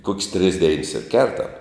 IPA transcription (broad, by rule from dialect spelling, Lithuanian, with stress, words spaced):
koːkʲsʲ tʲrʲɪs dʲɛɪns ɪr ˈkʲɛrtɐm